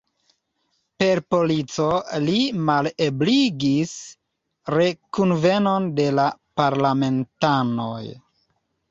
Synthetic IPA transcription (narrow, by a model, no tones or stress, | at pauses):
pe̞ɾpo̞lit͡so̞limalebliɡis | ɾe̞kunve̞no̞nde̞lapaɾlame̞ntano̰j